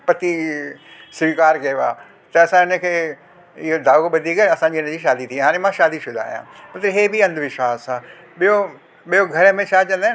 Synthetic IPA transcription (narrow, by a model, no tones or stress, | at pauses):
pɐt̪i | sʋiːkaːɾkɐʋa̰ː | t̪ɐɐsãɪnə̆kʰeː | ɪɦod̪ʱaːuɓɐd̪ʱiːkɐsãɲd͡ʑiɪnə̃̆d͡ʑiːʃaːd̪it̪ʰĩɦaːɽ̃emãʃaːd̪isʊd̪ʱa̰ːjã̰mɐt̪ɾiɦeːbiɐ̃nd̪ʱʋɪʃwaːsã | ɓijo | ɓijoɡʱɐɾəmẽt͡ɕʰaːt͡ɕɐ̃nd̪a